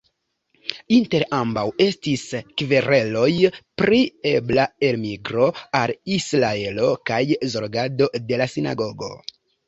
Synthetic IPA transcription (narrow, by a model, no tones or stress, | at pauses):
inte̞ɾambawe̞stiskveɾe̞lo̞jpɾie̞blae̞lmiɡɾo̞alislae̞lo̞kajzo̞ɾɡado̞de̞lasina̰ɡo̞ɡo̞̰